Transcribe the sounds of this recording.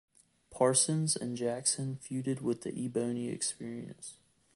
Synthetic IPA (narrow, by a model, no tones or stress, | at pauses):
pʰɑɹsɨ̃nzɨ̰̃nd͡ʒæksɨ̃nfjʉɾɨd̚wɪðḭʔibõʊ̃niɨ̰kspɪɹiɨ̰̃ns